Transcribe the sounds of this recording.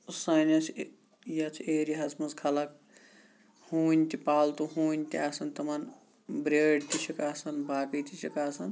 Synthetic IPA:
sɐnɐt͡ʃʰ | jɐt͡ʃʰieːɾiɦɐsmɐnskʰɐlɐk̚ | huːnʲt̪ipaːlt̪uɦuːnʲt̪iaːsɐnt̪ɐman | bɾeːɖt̪it͡ʃʰikaːsɐnbaːkit̪it͡ʃʰikaːsɐn

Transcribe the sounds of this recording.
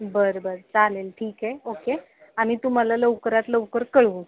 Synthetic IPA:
bəɾbəɾt͡salelʈʰiːkɦeoke | amiːt̪um̤alaləʋkəɾat̪ləʋkəɾkəɭũ

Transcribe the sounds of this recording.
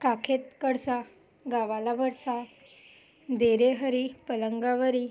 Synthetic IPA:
kakʰet̪kəɽsa | ɡaʋalabəɾsa | d̪eɾeɦəɾipələŋɡaʋəɾi

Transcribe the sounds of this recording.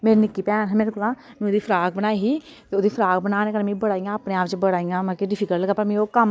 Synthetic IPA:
meːɾinɪkːiːpɛːnɦɛːmeːɾekoːlãː | mɛ̃ːʊd̪iːpʰəɾaːɡ̚bənaːiɦiː | t̪eːʊd̪iːpʰəɾaːɡ̚bənaːneːkənmĩbəɽaːijãːəpnẽːaːpt͡ʃbəɽaːiːjãːmə̃keɖɪpʰiːkəlləɡaːpəɾmĩokəm

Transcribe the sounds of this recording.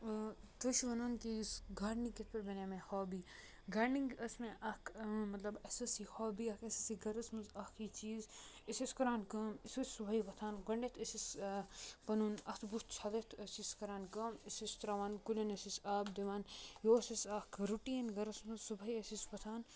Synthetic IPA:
t̪oʃiʋɐnaːnkisɡʱaːɾniket̪̚ʰpɐɾbɐnamẽhoːbiː | ɡʱaːɾniŋɡɐsmẽʔɐkʰmɐt̪lɐbɐsɐsihoːbiɐkʰɐsɐsiɡɐɾɐsmɐzɐkʰit͡ʃiːzisiskɐɾaːnkɐːmisusʲsubʱɐibɐt̪ʰaːnɡɐɳɖet̪ʰɐsis | pɐnuːnɐt̪ʰbut̪ʰt͡ʃʰad̪ɐt̪ʰɐsiskɐɾaːnkɐːmisist̪ɾaːʋaːnkulʲɐnɐsisaːbd̪iʋaːnjoːsisɐkɾuʈiːnɡɐɾɐsmɐzsubʱɐiɐsispɐt̪ʰaːn

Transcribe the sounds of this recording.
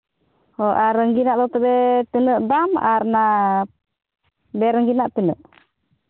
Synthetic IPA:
hɔʔaɾəŋɡinaʔd̪ɔt̪əbɛt̪inəʔd̪amaɾna | bɛɾəŋɡinaʔt̪inəʔ

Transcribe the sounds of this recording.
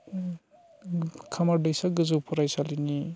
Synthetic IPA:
kʰamaɾdajsaɡɯzupʰɔɾajsalini

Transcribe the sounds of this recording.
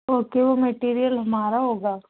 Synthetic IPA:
oːkeʋomeʈiːɾijəlɦɐmaːɾaɦoːɡaː

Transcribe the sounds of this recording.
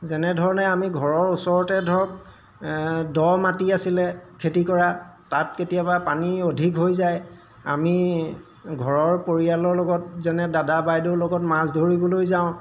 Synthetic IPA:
zɛnɛdʱɔɹɔnɛamiɡʱɔɹɔɹusɔɹɔtɛdʱɔk̚ | dɔmatiasilɛkʰetikɔɹatat̚ketijabapaniodʱikɦojzaj | a̰mi | ɡʱɔɹɔɹpoɹialɔɹlɔɡɔt̚zɛnɛdadabajdolɔɡɔtmasdʱoɹibɔlojzaʊ̃

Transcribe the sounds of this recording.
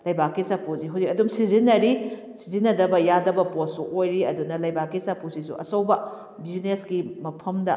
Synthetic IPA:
lɐjbakisapuziɦuzikɐdumsizinːɐɾi | sizinːɐdɐbɐjadɐbɐposuʔojɾiɐdunɐlɐjbakisapusisṵʔɐsɐwbɐ | biznesɡimɐpʰɐmdɐ

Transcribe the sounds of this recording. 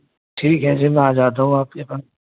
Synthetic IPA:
ʈʰiːkɦɛ̃ːd͡ʒɪːmɛ̃ːaːd͡ʒaːd̪aːɦũːaːp̚kepən

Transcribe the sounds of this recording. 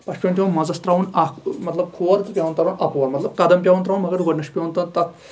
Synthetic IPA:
pɐʃpʲõːnt̪ʰʲjõnmɐzɐst̪ɾaːʋunɐkmɐt̪lɐb̚kʰuːɐɾt͡sɨpʲjaːʋunt̪ɐɾɐnɐpuʋɐɾmɐt̪lɐb̚kɐd̪ɐmpʲjaːʋɐnt̪ɾaːwunmɐɡɐɾɡɐɖnɐʃpʲjoːnt̪ɐnt̪ɐk

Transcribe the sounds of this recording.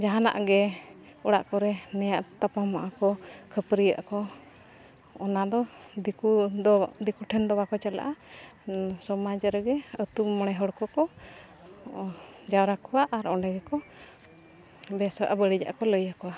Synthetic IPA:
d͡ʒaɦana̰ʔɡɛ | ɔɽa̰ʔkɔɾɛnɛjaʔt̪apamaʔakɔkʰəpɾija̰ʔkɔ | ɔnad̪ɔd̪kud̪ikuʈʰɛnd̪ɔwakɔt͡ʃala̰ʔa | sɔmad͡ʒɾəɡɛət̪umɔɽ̃ɛɦɔɽkɔkɔ | d͡ʒawɾakɔwaʔaɾɔɳɖɛɡɛkɔ | bɛsa̰ʔabəɽid͡ʒa̰ʔakɔləjakɔwa

